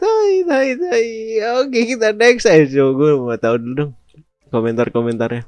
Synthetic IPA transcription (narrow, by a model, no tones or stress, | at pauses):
t̪ait̪ait̪aiokekit̪anɛksasoɡumat̪auddʊŋ | komɛnt̪arkomɛnt̪arɲa